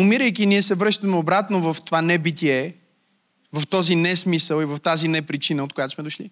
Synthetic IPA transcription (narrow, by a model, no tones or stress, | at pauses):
ʊmiɾəjkiniɛsɛvɾɤʃt̪əmɛobɾat̪novəft̪ovanɛbit̪iɛ | vɐft̪ɔzinɛsmisəlˠivəft̪azinɛpɾit͡ʃinəot̪kojat̪o̥smɛd̪ʊʃli